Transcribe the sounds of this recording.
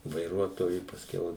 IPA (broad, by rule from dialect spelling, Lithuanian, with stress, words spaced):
ʋɐɪˈruɔtoːjʊ pɐsʲˈkʲɛʊ